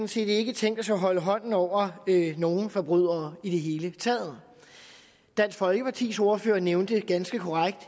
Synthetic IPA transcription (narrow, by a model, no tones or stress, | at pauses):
sn̩se̝̰ːd̥e̝ɡ̥ət͡sʰeŋ̰d̥æsɑɦɒ̽ləɦɒ̽n̰n̩ɒʊ̰ɐøno̝ːn̩fɒ̽b̥ʁyð̞̰ˠɐːid̥e̝ɦe̝ːlət͡sʰɛːð̩ˠ | d̥æn̰sfɒ̽lɡ̥əpʰɑt͡sʰḭːsoɐføːɐneʊnd̥əɡ̥ænsɡ̥əkʰo̝ʁaɡ̥̚d̥